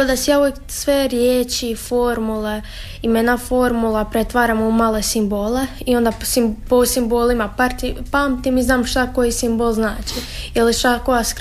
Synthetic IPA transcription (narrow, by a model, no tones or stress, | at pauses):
od̪asejaːujek | sʋeɾjeːt͡ʃifoɾmule | imenafo̞ɾmulˠapɾet̪ʋaːɾamumalesimboːleio̞nd̪asiposimboːlimapaɾt̪ipaːmt̪imiznaːmʃt̪akojisimbolˠznaːt͡ʃi | iliʃt̪akojask